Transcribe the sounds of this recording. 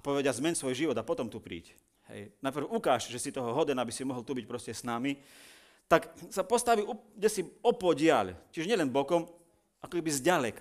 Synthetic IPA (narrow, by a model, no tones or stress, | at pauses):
pɔʋɛɟazmɛnsʋɔjʒiʋɔd̪apɔt̪ɔmt̪upɾḭːc | ɦɛ̰jnajpr̩ʊukaːʃʒɛsit̪ɔɦɔɦɔd̪ɛnabisimɔɦɔlˠt̪ubic̚pɾɔscɛsnami | t̪aksapɔst̪aʋiuɡɟɛsiɔpɔɟɪaʎciʒɲɪɛlɛnbɔkɔm | akɔkɛbizɟalɛka